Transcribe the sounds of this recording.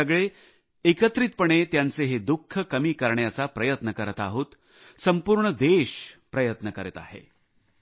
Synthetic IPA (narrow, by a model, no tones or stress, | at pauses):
əɡɭe | ekət̪ɾiːt̪̚pəɳet̪jant͡seɦed̪ukʰːəkəmiːkəɾɳjat͡sapɾəjət̪nəkəɾət̪aɦoːt̪ | səmpuɾɳəd̪eɕpɾəjət̪nəkəɾət̪a̰ɦḛ